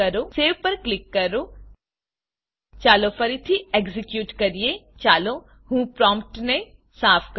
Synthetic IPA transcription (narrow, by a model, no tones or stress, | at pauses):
ɐɾoseːʋpɐɾklɪkːɐɾo | t͡ʃaːlofɐɾit̪ʰieɡzɪkjuːʈkɐɾiet͡ʃaːlo | ɦũːpɾɔːmp̚ʈne | saːpʰk